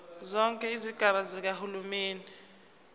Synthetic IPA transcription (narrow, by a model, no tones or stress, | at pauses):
zɔŋkʼɛiziɡ̥ʱaɓazik̬ahulumeːni